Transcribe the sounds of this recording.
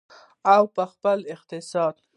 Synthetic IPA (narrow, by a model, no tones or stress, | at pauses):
awpəxpəlɪq̚t̪ɪsɑd̪̚